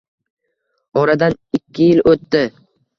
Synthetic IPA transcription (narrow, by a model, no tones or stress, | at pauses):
ɒɾad̪an | ɪkʲʰːɪjɪlɵt̪ːɪ